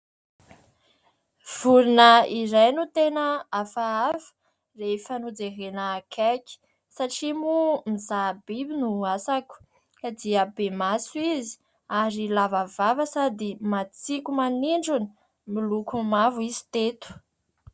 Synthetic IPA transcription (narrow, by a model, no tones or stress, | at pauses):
v̥uɾinəiɾajnut̪enəafaafə̥ | refanud͡zeɦenəkʰɛkʲi̥ | saʈ͡ʂimumizabibinuasaku̥ | kad̪iəbemasuizi̥ | aɾilavavavəsad̪imat͡sikumaniɳɖ͡ʐuni | milukumavuizi̥t̪et̪u̥